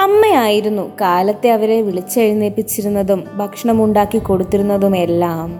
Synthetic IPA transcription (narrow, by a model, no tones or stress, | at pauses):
ɐmːɐjaːjiɾunːukaːlɐt̪ːe̞ɐʋɐɾe̞ʋiɭit͡ɕːɐɻineːpːit͡ɕːiɾunːɐðumbʱɐkʂɐɳɐmuɳɖaːkːiko̞ɽut̪ːiɾunːɐðume̞lːaːm